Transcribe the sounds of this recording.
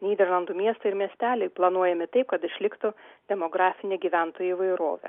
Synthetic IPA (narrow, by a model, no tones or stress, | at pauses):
nʲiːd̪ʲɛɾlˠɐnd̪umʲiɛst̪ɐɪɾmʲiɛsʲt̪ʲæːlʲɛɪplˠɐnuɔjɛmʲɪt̪ɐɪp̚kɐt̪ɪʃʲlʲɪkt̪ʊd̪ʲɛmoɡɾɑːfʲɪnʲeɡʲiːʋʲænt̪oːjɪːʋɐɪɾo̰ːʋʲɛ̰